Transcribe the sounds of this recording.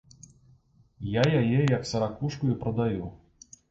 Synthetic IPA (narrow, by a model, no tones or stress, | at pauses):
jajajɛjɐksɐɾakuʂkʊipɾɐd̪aju